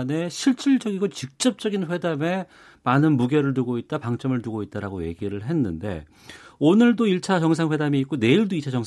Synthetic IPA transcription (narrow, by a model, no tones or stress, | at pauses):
ne̞ɕʰiɭt͡ɕ͈iɭd͡ʑʌɡiɡot͡ɕik̚t͡ɕ͈ʌp̚t͡ɕ͈ʌɡinɸe̞dame̞ | manɯnmuɡe̞ɾɯɭt̬uɡoit̚t͈apaŋt͡ɕ͈ʌmɯɭtuɡoit̚t͈aɾaɡoje̞̰ɡiɾɯɭɦe̞nːɯnde̞̰ | onɯɭdoiɭt͡ɕʰat͡ɕʌŋs̬ʰaŋɸwe̞damiːt̚k͈one̞iɭdoit͡ɕʰat͡ɕʌŋ